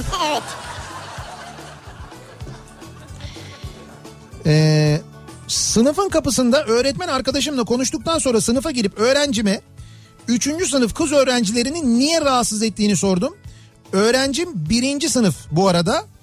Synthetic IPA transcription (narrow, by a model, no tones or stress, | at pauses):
ɛː | sɯnɯfɯnkapɯsɯnd̪aʔø̞ːɾɛt̪mænaɾkad̪aʃ̬ɯmlˠakʰo̞nuʃ̬t̪uk̚t̪ʰanso̞nɾasɯnɯfaɟiɾipø̞ːɾænd͡ʒimɛ | yt͡ʃʰynd͡ʒys̬ɯnɯfkʰɯzø̞ːɾænd͡ʒilʲe̞ɾininːijɛɾaɦat̪sɯzɛt̪ːiːniso̞ɾd̪um | ø̞ːɾænd͡ʒimbiɾind͡ʒisɯnɯfbuaɾad̪a